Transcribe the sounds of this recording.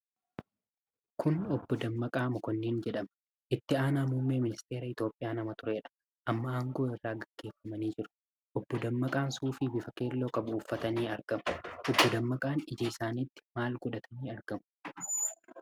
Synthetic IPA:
kʊnɔbːɔd̪ɐmːɐkʼaːmʊkɔnːiːnd͡ʒɛᶑɐmɐ | ʔɪt̪ːɪaːnaːmuːmːeːmɪnɪst̪e̞ːɾɐɪt̪jo̞ːpʼːɪjaːnɐmɐt̪ʊɾe̞ːᶑɐ̥ | ʔɐmːɐaːŋɡo̞ːɪrːaːɡɐɡ̥ːe̞ːfːɐmɐniːd͡ʒɪɾʊ̥ | ʔɔbːɔd̪ɐmːɐkʼaːnsuːfɪbɪfɐke̞ːlːo̞ːkʼɐbʊːfːɐt̪ɐniːɐɾɡ̥ɐmʊ̥ʔɔbːɔd̪ɐmːɐkʼaːnɪd͡ʒiːɪsaːniːt̪ːɪ̥maːlɡʊᶑɐt̪ʰɐniːɐɾɡ̥ɐmʊ̥

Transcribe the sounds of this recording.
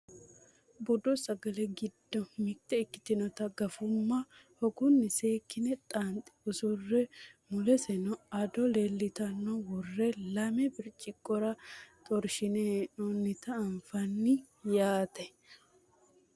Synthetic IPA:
bɔd̪ɔsɐɡɐlɛɡɪd̪ːɔmɪt̪ːɛːkːɪ̥t̪ɪnɔt̪ɐɡɐfʊmːɐhɔɡʊnːɪse̞ːkːɪnɛt̪ʼaːnt̪ʼɪ̥ʊsʊrːɛmʊlɛsɛnɔɐd̪ɔleːlːɪt̪ɐnːɔwɔrːɛlɐmɛbɪɾt͡ʃʼɪkʼːɔɾɐt̪ʼɔɾʃɪneɔnɪt̪ɐːɱfɐnːɪ | jaːt̪ɛ

